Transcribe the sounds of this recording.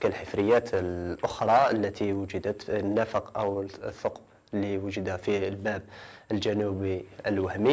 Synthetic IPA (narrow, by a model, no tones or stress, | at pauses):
kalħəfɾəjːæt̪əlʔʊxɾˤɑəlːæt̪iwəd͡ʒəd̪ət̪nːæfəqʔəwəθˤːoqb | lːiwəʒəd̪æfilbæb̚əld͡ʒænubiəlwæhmi